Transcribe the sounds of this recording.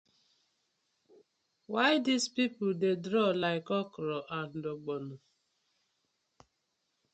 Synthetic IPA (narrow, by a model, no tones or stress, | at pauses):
waɪdispipʊdedɾɔlaɪkɔkɔɾɔʔan̩doɡ͡bɔnʊ